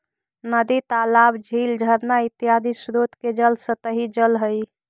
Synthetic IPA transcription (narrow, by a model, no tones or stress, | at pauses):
nəd̪it̪alabd͡ʒʱiːld͡ʒʱəɾnait̪ːijad̪isɾot̪ked͡ʒəlsət̪əɦid͡ʒəlɦəj